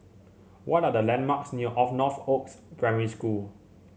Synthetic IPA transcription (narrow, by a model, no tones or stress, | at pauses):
wɔtadəlɛ̃nmaksnuʔɔfnɔθokspʰɹɛ̃məɹiskul